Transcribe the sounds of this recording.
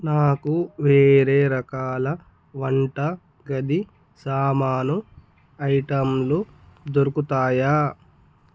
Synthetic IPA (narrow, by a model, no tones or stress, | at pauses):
naːkuʋeːɾeːɾɐkaːlɐ | ʋɐɳʈɐ | ɡɐd̪i | saːmaːnu | ɐjʈɐmlud̪oɾukut̪aːjaː